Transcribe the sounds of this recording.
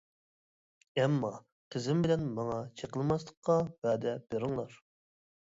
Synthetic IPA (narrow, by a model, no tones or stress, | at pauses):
ɛmːɑ | qʰəzɪmbɪlɛnmɑŋɑt͡ʃʰeqəlˠmɑslˠə̥qʰːɑb̥æːd̪ɛb̥eɾɪŋlˠɑɾ